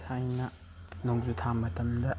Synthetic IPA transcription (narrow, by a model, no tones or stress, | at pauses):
ajnɐ | noŋzutʰamɐtɐmdɐ